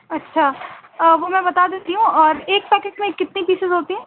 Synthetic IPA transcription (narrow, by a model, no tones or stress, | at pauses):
ɐtːʃʰaəːʋomɛ̃bɐt̪ad̪eːt̪iɦũɔːɾeːk̚pɛːkeʈmẽkːɪt̪nipiːsɪzɦoːt̪iɦɛ̃ː